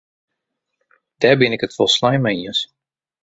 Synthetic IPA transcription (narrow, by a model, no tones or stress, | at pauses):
d̥ɛːbɪnɪkətfɔlˠslajmɛjəs